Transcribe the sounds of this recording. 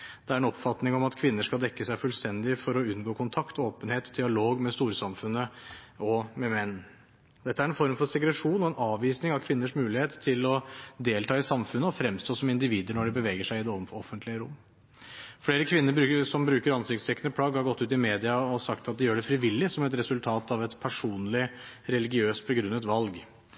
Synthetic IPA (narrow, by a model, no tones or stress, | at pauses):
d̪̥ɛæɾɛnɔpfɑt̪nɪŋɔmɑt̪kʰʋɪnːəʂkɑld̪ɛkːəsæɪfʉlst̪ɛnd̪ɪfɔɾɔʉnːɡoːkʰʊnt̪ʰɑkt̪oːpənheːt̪d̪ɪɑloːɡmɛst̪uːɾsɑmfʉnːəɔmɛmɛnː | d̪ɛt̪ːəæɾɛnfɔɾmfɔɾsɛɡɾɛʂuːnɔɛnɑːʋʋiːsnɪŋɑkʰʋɪnːəʂmʉːlɪheːt̪ʰːɪlɔd̪eːlt̪ʰɑːɪsɑmfʉnːəɔfɾɛmst̪ʰoːsɔmɪnd̪ɪʋiːd̪əɳɔɖɛbəʋɛːɡəʂæɪɪd̪ɛɔɔfːənt̪ʰlɪəɾʊmː | fleːɾəkʰʋɪnːəɾbʉsɔmbɾʉːkəɾɑnsɪk̚t̪st̪ʰɛkːənəpʰɽɑːɡhɑɾɡɔt̪ːʉːt̪ɪmeːd̪ɪɑɔsɑkt̪ɑt̪̚d̪ɛjøːɖɛfɾɪʋɪlːɪsɔmɛt̪ɾɛsʉlt̪ʰɑːt̪ɑʋɛt̪pʰæʂuːnlɪɾɛlɪɡɪøːst̪̚bəɡɾʉnːət̪ʋɑlɡ